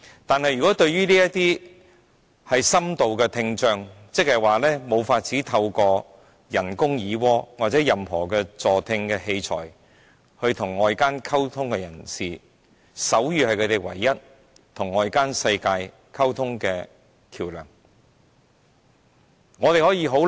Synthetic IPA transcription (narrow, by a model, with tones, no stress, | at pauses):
t̪aː˨nhɐ˨jɥyː˨˩kɔː˨˥t̪ɵ˧ɥɥyː˥liː˥jɐ˥tt̪iː˥ | hɐ˨jsɐ˥mt̪o˨wkɛː˧t̪ʰɪ˧ŋt͡ʃœː˨˧ŋ | t͡sɪ˥k̚hɐ˨˩jwaː˨lɛː˥mo˨˧wfaː˧t̚t͡siː˨˥t̪ʰɐ˧wkɔː˧ | jɐ˨˩nkʊ˥ŋjiː˨˧wɔː˥waː˨˩t̚t͡sɛː˨˥jɐ˨mhɔː˨˩kɛː˧t͡sɔː˨t̪ʰɪ˧ŋkɛː˧he˧jt͡sʰɔ̰ː˨˩j | hɵ˧ɥt̪ʰʊ˨˩ŋːɔː˨jkaː˥nkʰɐ˥wt̪ʰʊ˥ŋkɛ˧jɐ˨˩nsiː˨ | sɐ˨˥wjyː˨˧hɐ˨jkʰɵ˨˧t̪e˨˩jwɐ̰˨˩jːɐ˥t̚ | t̪ʰʊ˨˩ŋːɔː˨˧jkaː˥nsɐ˧jkaː˧j | kʰɐ˥wt̪ʰʊ˥ŋkɛː˧ | kʰiː˨˩wlœ̰ː˨˩ŋ | ŋɔː˨˧t̪e˨˩hɔː˨˥jiː˧ɦo˨˥w